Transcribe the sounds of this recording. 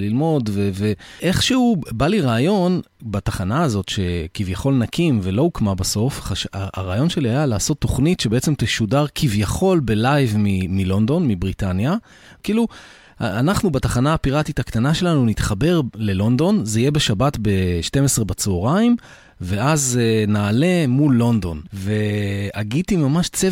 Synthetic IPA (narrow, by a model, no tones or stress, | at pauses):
lilmo̞dveveʔe̞χʃehubaliʁaːjo̞n | bataχanaːzo̞tʃe̞kivjaχo̞lnakʰimve̞lo̞ukmabaso̞fχaʃaaʁaːjo̞nʃe̞liajalaːso̞t̪ːo̞χnitʃebeet͡se̞mt̪eʃudaʁkʰivjaχo̞lbe̞lajvmimilo̞ndo̞nmibʁitanja | kiːlu | anaχnubataχanaːpiʁatitaktanaʃe̞lanunit̪χabe̞ʁle̞lo̞ndo̞nzeijebeʃabatbe̞ʃte̞mesʁe̞bat͡soʁaim | ve̞ʔaznaːle̞mulːo̞nd̪o̞nve̞aɡitimamaʃt͡se